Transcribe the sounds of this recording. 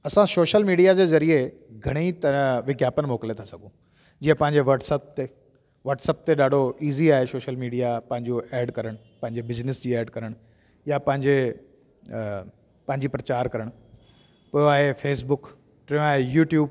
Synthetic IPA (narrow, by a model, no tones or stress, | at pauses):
ɐsãsoːʃəlmiːɖijad͡ʑeːzɐɾie | ɡʱɐɽ̃it̪ɐ̃ʋɪɡʱjaːpənɪ̆moːkɪlet̪ʰasɐɡʱũ | d͡ʑiːə̃pɐ̃ɦɪɲd͡ʑeʋɐʈsəp̚t̪e | ʋɐʈsəp̚t̪eɗaːɖʱoiːziaːɦesoːʃəlmiːɖijapɐ̃ɦɪ̃ɲd͡ʑoʔɛːɖkɐɾəɽ̃ | pɐ̃ɦɪ̃ɲd͡ʑebɪznɪsd͡ʑiːɛːɖkɐɾəɽ̃ | japɐ̃ɦɪ̃ɲd͡ʑe | pɐ̃ɦɪ̃ɲd͡ʑipɾɐt͡ɕaːɾkɐɾəɽ̃ | poːjoaːɦefʰeːsbʊk | ʈɾɪ̃aːɦejuːʈjuːb